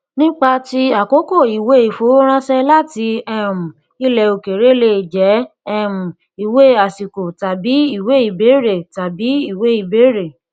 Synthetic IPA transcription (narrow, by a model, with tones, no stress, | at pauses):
nĩ˦k͡pa˧ti˧a˨ko˨˦ko˦˨i˨we˨˦i˨fo˨˦ɾ̃ã˦sɛ˦la˦ti˧ɛ˦mũ˨ | i˦lɛ˧o˧ke˨ɾe˦le˦˨d͡ʒɛ˨˦ | ɛ˦mũ˨ | i˨we˦a˨si˨ko˨ta˨bi˨˦i˦˨we˨˦i˦˨be˨˦ɾe˦˨ta˨bi˨˦i˦˨we˨˦i˨be˨˦ɾe˦˨